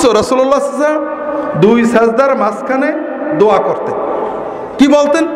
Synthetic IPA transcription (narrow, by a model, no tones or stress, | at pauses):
soɾɔsulɔlːasiza | d̪ujsɛzd̪aɾmaskʰane | d̪oakoɾt̪en | kibolt̪en